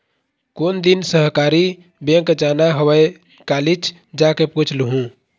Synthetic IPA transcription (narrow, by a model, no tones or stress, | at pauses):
kond̪insəɦkaɾi | bẽŋkd͡ʒanaɦəwəj | kalit͡ʃʰ | d͡ʒakeput͡ʃʰlɦũ